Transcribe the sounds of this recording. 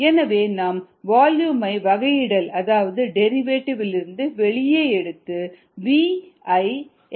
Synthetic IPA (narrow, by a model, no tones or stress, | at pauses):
ɛnɐʋeːnaːm | ʋaːljuːmɐɪʋɐɣɐjɪɽɐlɐðaːʋɐðɯɖɛɾɪʋeːʈːɪʋɪlɪɾɯnd̪ɯʋɛɭɪjeːɛɽɯt̪ːɯ | ʋiːɐɪ